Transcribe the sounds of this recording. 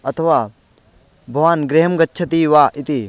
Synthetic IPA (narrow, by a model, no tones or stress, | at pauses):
ɐt̪ʰʋaː | bʱɐʋaːnɡɾeɦɐmɡɐtːʃʰɐt̪iːʋaːʔɪt̪i